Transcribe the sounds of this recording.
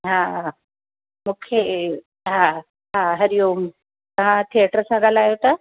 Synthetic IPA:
ɦã | mukʰe | ɦã | ɦãɦəɾijom | k̪əɦãt̪ʰieʈəɾəsaɡalajot̪a

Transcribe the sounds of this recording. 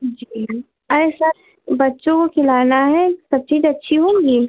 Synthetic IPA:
d͡ʒiː | asəɾ | bɐtːʃõkokʰɪlaːnaɦɛsɐb̚t͡ʃiːd͡ʒɐtːʃʰiɦoːŋɡiː

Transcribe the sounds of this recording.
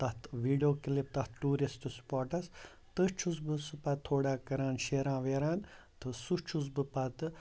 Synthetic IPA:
t̪ɐt̪ʋiːɖijoːkilip̚t̪ɐt̪ʰʈuːɾisʈ̪ɨspaːʈɐs | t̪ət͡ʃʰusbɨsɨpɐt̪̚t̪ʰːoːɽaːkɐɾaːnʃeːɾãːʋeːɾaːn | t̪ʰɨsut͡ʃʰus̬bɨpɐt̪ɨ

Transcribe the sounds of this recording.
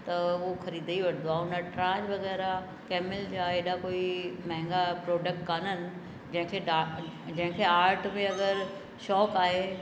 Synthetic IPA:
t̪ɐʊoxɐɾiːd̪iʋɐʈʰnd̪oaːʊnəʈɾaːd͡ʑʋɐɣɛːɾa | kɛːmɪld͡ʑaeːɗakoːimɐ̃ɦɪ̃ŋɡapɾoːɖək̚ʈkaːnənɪ̆ | d͡ʑɐ̃ɦɪ̃kʰeːa | d͡ʑɐ̃ɦɪ̃kʰeːaːɾʈmeɐɡəɾ | ʃɔːkaːɦe

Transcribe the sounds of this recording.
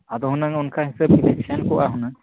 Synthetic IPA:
ad̪ɔɦunaŋɔnkʰaɦisab̚ilɛksankɔʔaɦunaŋ

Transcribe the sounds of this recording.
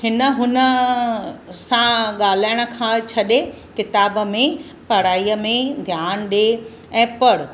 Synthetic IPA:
hɪnə̆ɦʊnə | sãɠaːl̤aːɪɽ̃ə̆kʰãːt͡ɕʰɐɗe | kɪt̪aːbə̆mẽ | pɐɽaːiːəmẽd̪ʱjaːnɗe | ɛ̃ːpɐɽ

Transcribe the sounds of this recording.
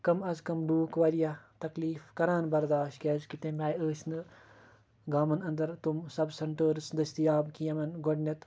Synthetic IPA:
kɐmɐzkɐmɖ̪uːkʋɐɾijat̪ɐkliːfkɐɾãːnbɐɾd̪aːʃt̪kʲeːzkit̪ẽːmʲaːjəːsnɨ | ɡaːmɐnɐ̃nd̪ɐɾt̪umsɐbsɐɳʈəːɾsd̪ɐst̪ijaːbkijɐmɐnɡɔɖnʲɐt̪

